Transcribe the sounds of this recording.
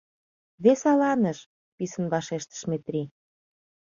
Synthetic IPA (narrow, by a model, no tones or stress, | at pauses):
βesɑlɑnəʃ | pisənβɑʃeʃt̪ə̥ʃmet̪rʲi